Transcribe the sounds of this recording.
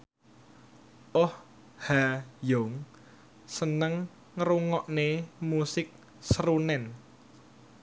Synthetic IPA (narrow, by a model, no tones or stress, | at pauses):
ʔɔh | hajoŋ | sənəŋː | ɾuŋɔʔnemusɪk̚ | sɾunɛn